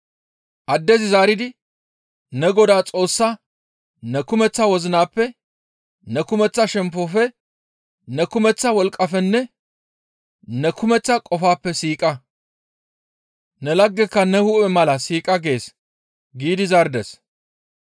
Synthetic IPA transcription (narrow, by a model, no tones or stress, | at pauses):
ʔɐd̪ːɛzɪzaːɾɪd̪ɪ | nɛɡɔd̪aːt͡sʼo̞ːsːa | nɛkʊmɛt͡sːɐwɔzɪnaːpːɛ | nɛkʊmɛt͡sːɐʃɛmpːɔfɛ | nɛkʊmɛt͡sːɐwɔlkʼːɐfɛnːɛ | nɛkʊmɛt͡sːɐkʼɔfaːpːɛsiːkʼɐ | nɛlɐɡːɛkːɐnɛhʊʔɛmɐlɐsiːkʼɐɡe̞ːs | ɡiːd̪ɪzɐɾd̪ɛs